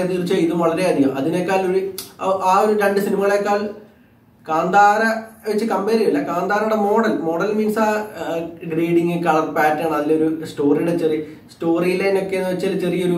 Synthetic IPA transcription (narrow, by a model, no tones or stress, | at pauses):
ɐt̪irit͡ɕːɐiðumʋɐɭɐɾe̞ɐnijɐ̰ʔɐðinekːaːloɾiʔaːoɾuɾeɳɖɨsinimɐɣɐɭekːaːɭ | kaːnd̪aːɾɐʋet͡ɕːɨkɐmbeːɾijɐlːɐkaːnd̪aːɾɐɽemo̞ːɽɐlmo̞ːɽɐlmiːnsaː | ɡriːɽiŋɡɨkɐɭɐrpaːtːaːɳɐðilːɐoɾusʈo̞ːriɽet͡ɕeri | sʈo̞ːrijilɐjno̞kːe̞nːɨʋet͡ɕːɐlɨt͡ɕerijɐo̞ɾu